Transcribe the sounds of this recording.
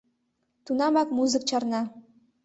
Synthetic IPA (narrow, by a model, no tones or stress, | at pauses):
t̪unɑmɑkmuzək̚t͡ɕɑrnɑ